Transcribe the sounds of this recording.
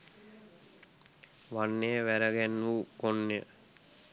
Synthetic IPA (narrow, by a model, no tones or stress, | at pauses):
ʋanːejəʋæɾəɡænːukonːejə̰